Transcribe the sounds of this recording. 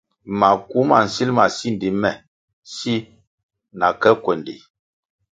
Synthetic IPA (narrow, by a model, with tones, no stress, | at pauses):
ma˨ku˨˦ma˨n̩˨si˦lma˨si˦n˨di˨˦mɛ˨ | si˦ | na˨kɛ˦kwɛ˨ndḭ˨